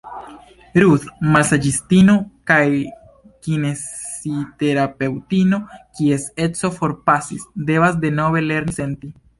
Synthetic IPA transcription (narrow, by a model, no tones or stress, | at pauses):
ɾuθmalsad͡ʒistino̞kaj | kinesite̞ɾape̞wtino̞kie̞se̞t͡so̞fo̞ɾpasisde̞vasde̞no̞ve̞le̞ɾnise̞nti